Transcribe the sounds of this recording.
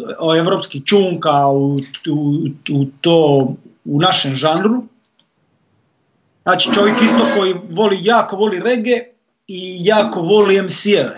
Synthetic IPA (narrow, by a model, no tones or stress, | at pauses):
oeʋɾoːpskixt͡ʃuːŋkauuut̪oːunaʃemʒanɾu | znaːt͡ʃi̥t͡ʃo̞ʋjekist̪okojiʋo̞lijaːkoʋo̞liɾeɡe | ijaːkoʋo̞lijemsjeʋe